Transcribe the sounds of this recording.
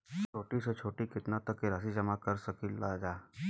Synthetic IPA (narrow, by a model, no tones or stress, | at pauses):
t͡ʃʰoːʈiset͡ʃʰoːʈikɪt̪nat̪ɐkːeɾasid͡ʒɐmakɐɾsɐkilad͡ʒaː